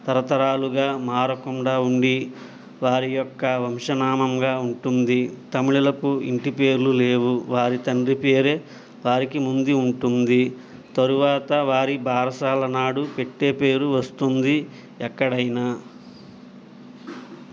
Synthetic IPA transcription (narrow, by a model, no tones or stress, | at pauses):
t̪ɐɾɐt̪ɐɾaːluɡaːmaːɾɐkuɳɖaːuɳɖi | ʋaːɾijɔkːɐʋɐmʂɐnaːmɐmɡaːuɳʈund̪it̪ɐmiɭilɐkuiɳʈipe̞ːɾlule̞ːʋuʋaːɾit̪ɐɳɖripe̞ːɾe̞ː | ʋaːɾikimund̪iuɳʈund̪i | t̪ɐɾuʋaːt̪ɐʋaːɾibʱaːɾɐsaːlɐnaːɽupe̞ʈːe̞ːpe̞ːɾuʋɐst̪und̪i | ɛkːɐɽɐjnaː